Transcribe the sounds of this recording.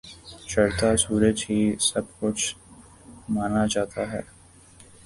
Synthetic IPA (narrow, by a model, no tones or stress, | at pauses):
t͡ʃɐɾt̪asuːɾəd͡ʒɦisɐbkʊt͡ʃʰ | maːnat͡ʃaːt̪aɦɛ̰ː